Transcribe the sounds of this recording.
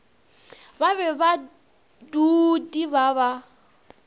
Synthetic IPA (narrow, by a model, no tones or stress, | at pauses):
baβɛβa | dudiβaβa